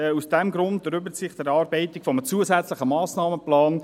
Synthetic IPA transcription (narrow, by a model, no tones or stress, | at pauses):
usd̥ɛmɡɾʊntəɾʏbəɾt͡sɪχdɛɾɑːɾbɛɪtɪkfɔmət͡suəzɛt͡slɪχəmɑːsnɑːməplɑːn